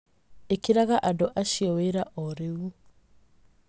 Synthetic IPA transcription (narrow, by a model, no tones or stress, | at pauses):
ekiɾaɣaʔadoʔaʃjoweɾaʔoɾewu